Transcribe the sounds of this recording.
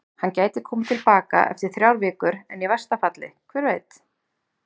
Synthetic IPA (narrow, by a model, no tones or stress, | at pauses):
hancaːjt̪ɪkʰɔːmɪt̪ʰɪlpaːka̰ʔɛ̰ft̪ɪɾ̥θɾjawɾvɪːkʏɾɛnjɛvast̪afat̪lɪ̰kʰvɛːɾveːjt̪